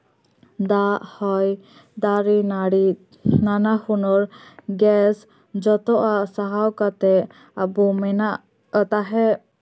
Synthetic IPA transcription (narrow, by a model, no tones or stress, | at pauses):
d̪ahɔj | d̪aɾinaɽi | nanahunɔɾɡɛs | d͡ʒɔt̪ɔʔasaɦawkat̪ɛ | abumɛna | t̪aɦɛ